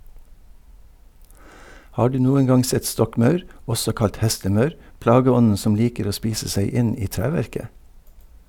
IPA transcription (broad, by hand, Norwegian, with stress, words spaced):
ˈhɑː ˈɖʉː ˈnuːən ˈɡɑŋ ˈsɛt ˈstɔkˌmɑʉɾ ˈɔsɔ ˈkɑlt ˈhɛstəˌmɑʉɾ ˈplɑːɡəˌɔnən ˈsɔm ˈliːkəɾ ˈoː ˈspiːsə ˈsæɪ ˈɪn ˈiː ˈtɾæːʋæɾkə